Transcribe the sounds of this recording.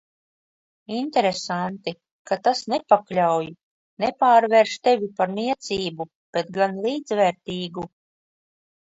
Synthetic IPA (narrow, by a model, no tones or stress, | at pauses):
int̪ɛɾesant̪i | kat̪asnepaklʲawj | nɛpaːɾvɛɾʃt̪evʲipaɾmiɛt̪siːbu | b̥et̪̚ɡanlˠiːd̪zvɛɾt̪iːɡu